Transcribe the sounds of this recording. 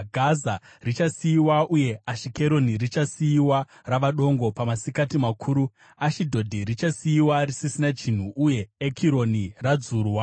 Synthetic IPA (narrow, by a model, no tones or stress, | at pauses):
ɡʱaza | rit͡ʃasijiwaʔuje̞aʃike̞ɾo̞nirit͡ʃasijiwa | raʋaɗo̞ŋɡo̞pamasikatimakʰuːɾu | aʃidʱo̞dʱiɾit͡ʃasijiwarisisinat͡ʃin̤uʔːje̞ːkʰiɾo̞nirad͡zuːrwa